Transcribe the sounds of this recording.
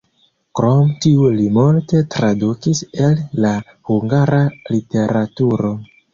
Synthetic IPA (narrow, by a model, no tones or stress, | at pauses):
kɾo̞mtiulimulte̞tɾadukise̞lːa | huŋɡaɾalite̞ɾatuɾo̞